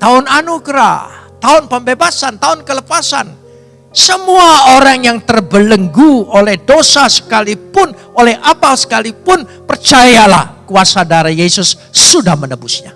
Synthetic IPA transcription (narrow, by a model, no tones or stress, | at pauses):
t̪aʊnanuɡɾa̰t̪aʊnpəmbebasant̪aʊnkələpasan | səmuaoɾaŋjaŋt̪ərbələŋɡuolɛhdosasə̥kalipʊn | olɛhʔapasə̥kalipʊnpərt͡ʃajala̰hkuasadaɾajesʊsː | udahmənəbʊsɲa